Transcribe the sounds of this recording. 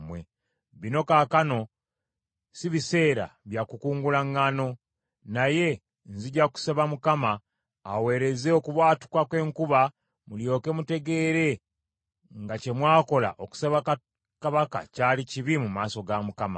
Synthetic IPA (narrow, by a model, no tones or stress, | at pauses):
mwe | βino̞kaːkano̞ | siβise̞ːɾa̰βjakukuːŋɡulaŋːano̞ | naje̞ | nziɟaku̥seβamukamaː | we̞ːɾe̞ze̞okuβwaːtu̥kwakwe̞ːŋkuβa | muljo̞ːke̞mute̞ɡe̞ːɾe̞ | ŋɡace̞mwaːko̞la̰ʔoku̥seβaka | kaβaka̰caːliciβimumaːso̞ɡamukama̰